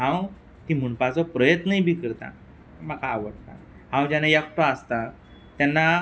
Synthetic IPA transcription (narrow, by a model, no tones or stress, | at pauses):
ɦãw | t̪im̤uɳpat͡sɔpɾəjət̪nəɦibʱikəɾt̪ã̰ | makaːʋəɽt̪a̰ | ɦãwd͡ʑanajəkʰʈɔəst̪a | t̪janːa